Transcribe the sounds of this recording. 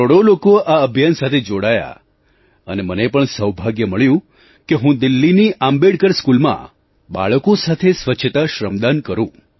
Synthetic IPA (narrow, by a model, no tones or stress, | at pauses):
oɽolokoaəbʱjansat̪ʰed͡ʒoɽaja̰ | ə̰nemənepəɳsəwbʱaɡjəməɭjũ | keɦũd̪ɪlːiniʔambeɽkəɾskulmã̰ | ba̰ɭəkosat̪ʰesʋəːt͡ʃʰət̪aʃɾəmd̪ankəɾũ